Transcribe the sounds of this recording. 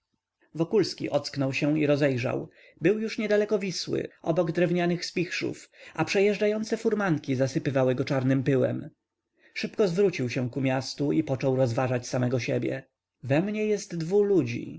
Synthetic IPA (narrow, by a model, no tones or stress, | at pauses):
vɔkulskʲḭʔɔt̪sknɔwɕɛiɾɔzɛjʐa̰w | bɘwjuʂɲɛd̪alɛkɔvʲiswɘ̰ʔɔ̰bɔɡd̪ɾɛvɲanɘxspʲixʂṵfʔapʂɛjɛʐd͡ʐajɔnt̪sɛfuɾmaŋkʲizasɘpɘvawɘɡɔt͡ʂaɾnɘmpɘwɛ̰m | ʂɘpkɔzvɾut͡ɕiwɕɛ̃kumʲjast̪uipɔt͡ʂɔwɾɔzvaʐat͡ɕsamɛɡɔɕebʲjɛ̰ | vɛmɲɛjɛst̪ːvulud͡ʑḭ